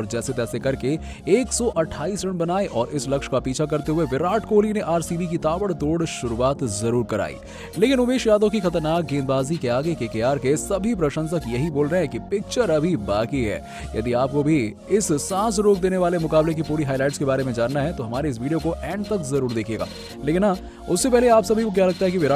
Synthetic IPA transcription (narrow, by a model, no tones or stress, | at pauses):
ɔːɾd͡ʒɛːset̪ɛːsekɐɾke | eːksɔʔɐʈʰːaːiːsɾɪ̃ɳbɐnaːeʔɔːɾɪslɐkʃkapiːt͡ʃʰakɐɾt̪eɦʊeʋɪɾaːʈkoːlineʔaːɾsiːbikit̪aːbəɽt̪oːɽʃʊɾuaːt̪zɐɾuːɾkɐɾa̰ːḭː | leːkɪnʊbeːʃjaːd̪õkixɐt̪əɾnaːk̚ɡẽːnbaːzikeaːɡekeːkejaːɾkesɐbʱipɾɐʃə̃nsəkjɐɦiboːlɾɐɛ̃kipɪk̚t͡ʃəɾɐbʱibaːkiɦɛ̰ː | jɐ̰d̪iaːp̚kobʱi | ɪsːãːs̬ɾoːk̚d̪eːneʋaːlemʊkaːblek̬ipuːɾiɦaːjlaːɪʈskebaːɾemẽd͡ʒaːnːaɦɛt̪oɦɐmaːɾeɪs̬ʋiːɖijokoʔɛ̃ːɳɖ̚t̪ɐkzɐɾuːɾd̪eːkʰeːɡa̰ː | leːkɪnːa | ʊsːepɛɦleaːpsɐbʱiʋok̬ʲjalɐɡ̚t̪aɦɛk̬iʋɪ